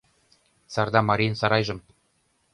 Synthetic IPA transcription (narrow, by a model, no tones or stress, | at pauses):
sɑrd̪ɑmɑɾʲinsɑɾɑjʒɤ̆m